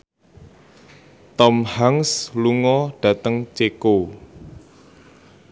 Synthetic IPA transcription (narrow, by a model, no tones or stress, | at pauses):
t̪ɔmhaŋsluŋɔɖ̥ä̤t̪əŋt͡ʃeko